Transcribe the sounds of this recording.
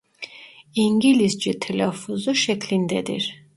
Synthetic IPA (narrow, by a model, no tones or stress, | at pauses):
iŋɡilisd͡ʒit̪ʰɛlɛfuzuʃɛkʰlind̪ɛd̪ḭɾ